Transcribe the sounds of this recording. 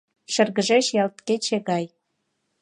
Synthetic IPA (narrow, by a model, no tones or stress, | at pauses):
ʃə̆rɣə̆ʒeʃjɑlt̪ket͡ɕĕɣɑj